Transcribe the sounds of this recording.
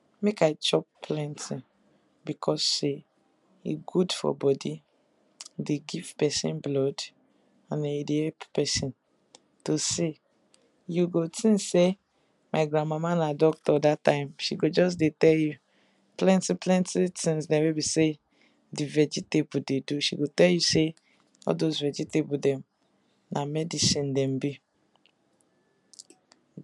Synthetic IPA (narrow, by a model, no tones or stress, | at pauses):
mekaɪt͡ʃɔppʰlɛ̃ntʰĩ | bikʰɔse | ḭɡudfɔ̰bɔdi | deɡiv̥pɛsḭ̃nblɔd | ãndɛ̃idehɛlppɛsĩn | tose | juɡotĩnse | maɪɡɾãnmamanadɔk̚tɔdatãɪmʃiɡod͡ʒɔs̬detɛlju | plɛ̃ntipʰlɛ̃ntitĩnsdɛ̃webise | divɛd͡ʒitebudeduʃiɡotɛljuse | ɔ̰dozvɛd͡ʒitebudɛ̃m | namɛdisĩndɛ̃mbi